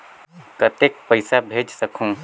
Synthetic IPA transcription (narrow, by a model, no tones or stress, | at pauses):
kət̪ek̚pəɪsabʱed͡ʒsəkʰũ